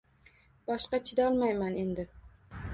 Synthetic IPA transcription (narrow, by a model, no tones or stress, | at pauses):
b̥ɒʃqɑt͡ʃʰɪd̪aɒlˠmajmane̞nd̪ɪ